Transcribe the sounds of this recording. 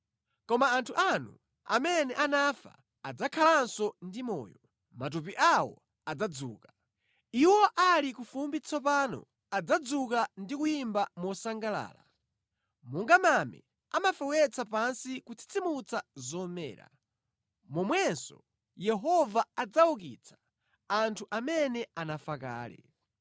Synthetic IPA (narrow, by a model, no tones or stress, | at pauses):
kɔmaːntʰuʔanu | a̰mɛnɛʔanafa̰ | ad͡zakʰalansɔndimɔ̰ːjɔ | mat̬up̬iʔawɔ̰ | ad͡zad͡zṵːka | iwɔʔalikufumbit͡sʰɔpanɔ̰ | ad͡zad͡zukandikujimbamɔsaŋɡala̰ːla | muŋɡamamɛ̰ | amafɛwɛt͡sʰapansikut͡sʰi̥t͡sʰimut͡sʰazɔmɛ̰ːɾa̰ | mɔmwɛnsɔ̰ | jɛɦɔvaad͡zauk̬ḭt͡sʰḁ | antʰuʔamɛnɛanafaka̰ːlɛ̰